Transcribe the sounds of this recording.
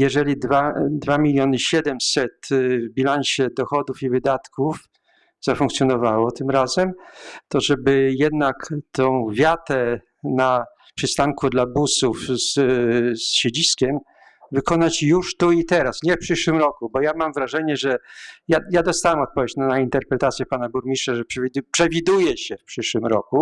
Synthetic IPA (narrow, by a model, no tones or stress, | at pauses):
jɛʐɛlʲid̪vad̪vamʲilʲjɔnɘɕɛd̪ɛmsɛt̪vbʲilanɕɛd̪ɔxɔd̪ufivɘd̪at̪kuf | z̥afuŋkt̪sʲjɔnɔvawɔt̪ɘmɾazɛmt̪ɔʐɛbɘjɛd̪nakt̪ɔ̃w̃vʲjat̪ɛ | na | pʂɘst̪aŋkud̪labusufssɕed͡ʑiskʲɛm | vɘkɔnat͡ɕjuʂt̪uit̪ɛɾasɲɛfpʂɘʂwɘmɾɔkubɔjamamvɾaʐɛɲɛʐɛjajad̪ɔst̪awɛmɔt̪̚pɔvʲjet͡ɕnanaint̪ɛɾpɾɛt̪at̪sʲjɛpanabuɾmʲiʂaʐɛpʂʲpʂɛvʲid̪ujɛɕɛfpʂɘʂwɘmɾɔku